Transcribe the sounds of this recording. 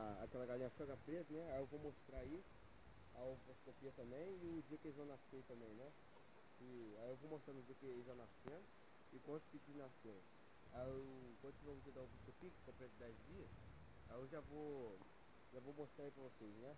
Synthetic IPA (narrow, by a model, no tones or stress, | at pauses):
aa̰kɛlɐɡalĩɐʃɔɡɐfpɾet̪ʊnɛaewvowmoʃt̪ɾaai | apɔskopiɐt̪ɐ̃mbẽj̃ɪʊ̃d͡ʒiɐkɪelɪzvɐ̃w̃naseɾt̪ɐ̃mbẽj̃nɛ | ɪajewvowmoʃt̪ɾaɾʊ̃d͡ʒiɐkɪelzʒanasiɐ̃ | ɪkõt̪kɪkinaseɾ | aewkwɐ̃d̪ʊt͡ʃivɐ̃d͡ʒid̪aʊ̃biskopikkõpɾɛt̪ʊd̪ɛzd͡ʒiɐs | aewʒavo | ʒavowmoʃt̪ɾaipɾɐvoseznɛ